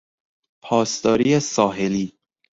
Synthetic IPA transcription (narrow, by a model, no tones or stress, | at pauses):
pʰɒːst̪ɒːɾiːesɒːɦeliː